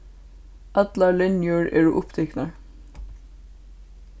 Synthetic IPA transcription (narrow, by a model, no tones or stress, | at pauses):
ɑd̪lɑlɛnjøɹḛːɹṵːʔʊpt̪ʰɛknɑ